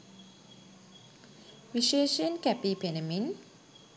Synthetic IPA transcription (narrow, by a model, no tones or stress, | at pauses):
ʋiʃeːʃənkæpipenəmin